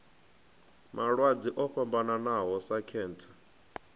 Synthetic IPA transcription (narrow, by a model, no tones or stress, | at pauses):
mʔaɺwad͡ziʔɔɸambananaɦɔsakʰɛːntʰḁ